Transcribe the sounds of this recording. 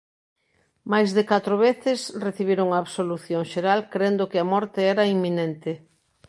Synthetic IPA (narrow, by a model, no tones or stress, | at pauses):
majzðekat̪ɾoβ̞eθɪsreθiβiɾoŋaːβsoluθjoŋʃeɾalkɾend̪okɪɐmɔɾt̪eɛɾɐimːinent̪ɪ